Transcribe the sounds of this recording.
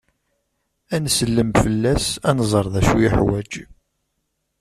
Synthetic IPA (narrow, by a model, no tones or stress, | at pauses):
ænsəlːəmfəlːæsænzˤəɾˤðæʃujiħwæd͡ʒ